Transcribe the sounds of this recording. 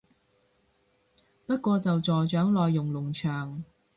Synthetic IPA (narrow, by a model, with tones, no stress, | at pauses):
pɐ˥t̚kʷɔː˧t͡sɐ˨wt͡sɔː˨˩jt͡ʃœː˨˥ŋlɔː˨jːʊ˨ŋlʊ˨˩ŋt͡ʃʰœː˨˩ŋ